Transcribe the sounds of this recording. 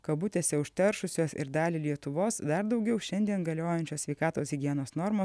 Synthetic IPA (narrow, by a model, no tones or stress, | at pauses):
kɐbʊt̪ʲeːsʲɛʊʃʲt̪ʲɛɾʃʊsʲoːsɪ̰ɾd̪ɑːlʲɪlʲiɛt̪ʊʋoːsd̪ɐɾd̪ɒʊɡʲɛʊʃʲɛnʲd̪ʲiɛnɡɐlʲoːjɛnʲt͡ʃʲoːsʲʋʲɛɪkɑːt̪oːsɣʲɪɡʲiɛnoːsnɔɾmoː